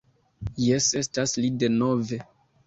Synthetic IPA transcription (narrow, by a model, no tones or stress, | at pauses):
jese̞staslide̞no̞ve̞